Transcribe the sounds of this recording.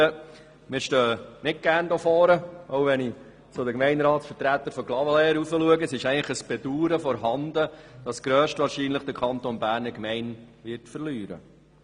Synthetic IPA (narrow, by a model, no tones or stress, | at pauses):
ə | mɪːɾʃtøːənɪt̚ɡ̥æːɾndofɔːɾəʔowʋɛni | sod̪əkmɛɪnɾɑːtsfəɾtɾæt̪ːəɾfɔklɑvəlɛːəɾufəluəɡəsɪʃɛɪləχəsb̥ɛduːɾəfɔɾɦɑnd̪əd̥ɑsɡ̥ɾøːʃtʋɑːɾʃiːnləχd̥əɾkʰɑnt̪onbæːɾnəɾkmɛɪnʋɪːɾtfəɾlyːɾə̰